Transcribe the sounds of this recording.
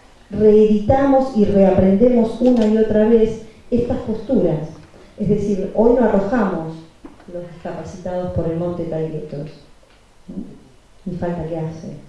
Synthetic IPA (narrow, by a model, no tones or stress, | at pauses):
re̞ːðit̪amo̞sireapɾe̞nd̪emo̞sunaio̞t̪ɾaβesest̪aspo̞st̪uɾas | ezðe̞siɾo̞jnoaro̞xamo̞slozðeskapasit̪að̞o̞spoɾelmõ̞nt̪ek̪ajlet̪os | n | nifalt̪aljaɾsḛ